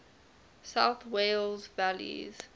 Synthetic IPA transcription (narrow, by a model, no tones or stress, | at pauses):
saʊθweɪlzvælḭz̥